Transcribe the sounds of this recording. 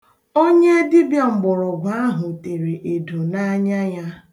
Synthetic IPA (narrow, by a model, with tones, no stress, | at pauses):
o˦ɲe˦dɪ˦bjɔ˨ŋ͡m̩˨ɡ͡bʊ˨ɾʊ˨ɡʷa˦a˦ɦʊ˨te˨ɾe˨ʔe˨du˨na˦ɲa˦ja˦